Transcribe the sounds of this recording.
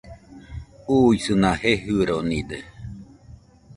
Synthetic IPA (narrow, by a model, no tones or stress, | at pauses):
uisɨnaheɦɯɾonid̪e